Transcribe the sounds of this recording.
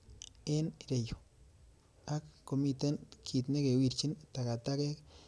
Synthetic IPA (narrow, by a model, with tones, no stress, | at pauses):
e˦nɾe˨jo˨ | a˦kːo˨mi˦t̪e˦nkʰi˨t̪ne˦ke˨wi˦ɾt͡ʃi˦nt̪a˨ka˨t̪a˦ke˦k